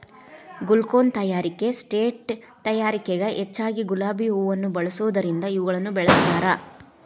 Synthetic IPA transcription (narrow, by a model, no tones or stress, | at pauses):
ɡulkoːnt̪ɐjaːɾike̞sʈeːʈ | t̪ɐjaːɾikeɡɐʔet͡ʃːaːɡiɡulaːbiuːʋɐnːubɐɭɐsuʋd̪ɐɾind̪ɐiʋɐɡɐɭɐnːubɛɭɐsnaːɾɐ